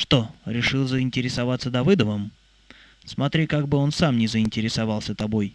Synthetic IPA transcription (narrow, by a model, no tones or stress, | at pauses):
ʂt̪o̞ɾʲɪʂɨlˠzəɪnʲtʲɪɾʲɪsɐvat̪səd̪ɐvɨd̪əvəm | smɐt̪ɾʲikaɡ̚bɨo̞nsamnʲɪzəɪnʲtʲɪɾʲɪsavalˠsʲət̪ɐbo̞j